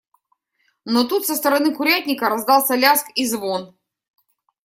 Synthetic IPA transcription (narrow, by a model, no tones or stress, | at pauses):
not̪ut̪səst̪əɾɐnɨkʊɾʲæt̪̚ʲnʲɪkəɾɐzd̪ɑlˠsʲɐlʲaskizvon